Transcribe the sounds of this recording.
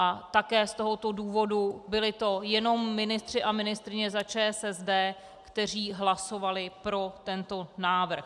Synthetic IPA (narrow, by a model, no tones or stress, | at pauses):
ʔat̪akɛːst̪o̞ɦo̞t̪o̞duːvo̞dubɪlɪt̪o̞jɛno̞mːɪnɪst̪r̝̥ɪʔamɪnɪst̪ɾɪɲɛzat͡ʃɛːsɛzdɛː | kt̪ɛr̝iːɦlaso̞valɪpɾo̞t̪ɛnt̪o̞naːvr̩x